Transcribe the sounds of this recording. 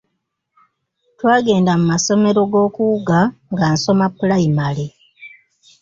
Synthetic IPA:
twaːɡe̞ːndamumaso̞me̞ɾo̞ɡo̞ːkuuɡaŋɡaːnso̞mapːulaimale

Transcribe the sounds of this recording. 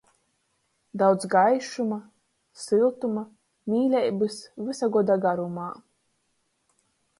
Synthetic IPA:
d̪awd̪zɡajʃuma | sɨlˠt̪uma | mʲiːlʲɛjbɨsvɨsaɡɔd̪aɡaɾumaː

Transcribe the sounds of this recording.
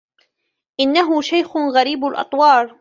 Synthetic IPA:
ʔɪnːaɦʊʃajxʊɣaɾiːbalʔɑ̰t̪ˤwɑːɾˤ

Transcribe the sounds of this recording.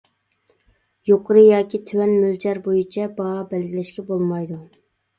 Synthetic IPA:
joqʰʊɾɨjɑːkʲʰit̪ʰywɛnmyld͡ʒʰɛɾbojit͡ʃʰɛbɑːbɛlɡʲilɛʃkʲɛbolˠmɑjd̪u

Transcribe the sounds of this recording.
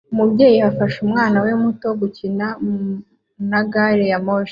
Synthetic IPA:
umubɟeːjiafaʃumŋaːnawe̞muto̞ɡucina | naɡaɾejamoʃ

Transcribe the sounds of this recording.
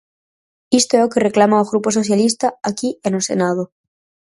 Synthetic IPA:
ist̪oeokere̞klamaoɣɾupo̞so̞θjalist̪aakienusḛnað̞o

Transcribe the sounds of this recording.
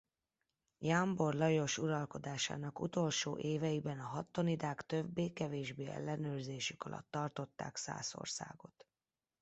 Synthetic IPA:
jaːmbo̞rlɒjo̞ʃuɾɒlko̞d̪aːʃa̰ːnɒkut̪o̞lʃo̰ːʔeːvɛjibɛnɒɦɒt̪ːo̞nid̪aːkt̪øbːeːkɛveːʒbeːɛ̰lːɛnøːrzeːʃykɒlʔɒ̰t̪ːɒrt̪o̞t̪ːa̰ːksa̰ːso̞̰rsa̰ːɡo̞t̪

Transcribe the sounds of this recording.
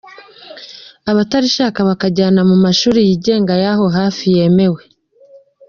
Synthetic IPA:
aβataɾiʃaːkaβakaɟaːnamumaʃuːɾijiɟe̞ːŋɡajaɦo̞ɦaːfije̞me̞we̞

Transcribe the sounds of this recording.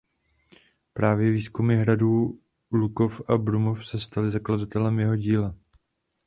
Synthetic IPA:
pɾaːvjɛviːskumɪɦɾaduː | luko̞fʔabɾumo̞fsɛst̪alɪzakladat̪ɛlɛmjɛɦo̞ɟiːla

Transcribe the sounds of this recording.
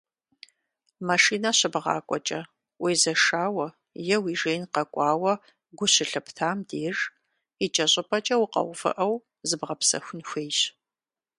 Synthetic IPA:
maʂiːnɐɕɪbʁɑ̰ːkʷʼɔt͡ʃʼɐ | weːzɐʂaːwɐ | jɛwiːʒeːjnqɐkʷʼɑːwɐ | ɡʷʊɕɪɬɨptʰaːmdeːr | it͡ʃʼɐɕʼɪpʰʼɐt͡ʃʼɐwqɐ̰wʷfɨ̰ʔɐw | zɨbʁɐpsɐ̰xʷʊnxʷeːjɕ

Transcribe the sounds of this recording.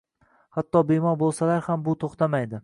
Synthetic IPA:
hat̪ːɒbemɒɾbolˠsalaɾhambʊt̪ʰoχt̪ʰamajd̪ɪ

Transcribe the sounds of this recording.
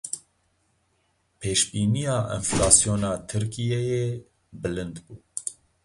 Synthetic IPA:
pʰeːʃbiːnijɑːʔḭnflɑːsjoːnɑːt̪ʰɨɾkijɛjeː | bɨlɨnd̪buː

